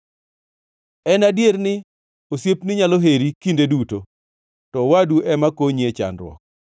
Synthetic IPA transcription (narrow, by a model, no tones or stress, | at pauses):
ɛnadjeɾnɪ | osjepnɪɲaloɦeɾikindeduto | tɔwaduʔɛmakoɲiet͡ʃa̰nɾwɔ̰k̚